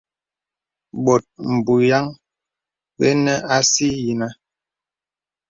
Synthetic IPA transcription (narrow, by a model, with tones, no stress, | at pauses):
ɓɔ˨t̚m̩˨bu˨ja˦ŋ | ɓḛ˦nɛ˦a˦si˦ji˨na˦